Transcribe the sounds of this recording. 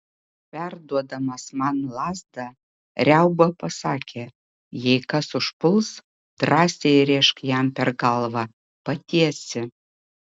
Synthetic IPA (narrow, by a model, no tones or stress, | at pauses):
pʲæɾd̪uɔd̪ɐmɐsmɑnlˠɑːzd̪ɐ | ɾʲɛʊbɐpɐsɑːkʲʰeː | jɛɪkɐsʊʃpʊlˠs | d̪̥ɾɑːsʲejɾʲɛɪʃkjɛmpʲɛɾɡɐlˠʋɐ | pɐt̪ʲiɛsʲɪ